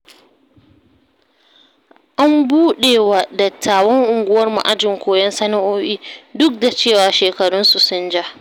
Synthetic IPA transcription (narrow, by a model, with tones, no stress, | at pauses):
ʔa˦mbuː˦ɗeː˨wa˨dɐ˨tʰːaː˨wɔ˦ŋʔʊ˨ŋɡʷʊ˦wɐ˦rmṵ˨ʔa˦d͡ʒɪ˨ŋkʷoː˨jɐ˦nsɐ˦na˦ʔoː˦ʔiː˦dʊ˦k̚da˨t͡ʃeː˦˨waː˨ʃeː˨kɐ˨ɽʊ˦nsu˨sʊ˦nd͡ʒa˦